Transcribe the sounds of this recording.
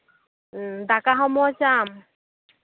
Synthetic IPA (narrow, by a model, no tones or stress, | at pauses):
dakaɦɔmɔɔt͡ʃam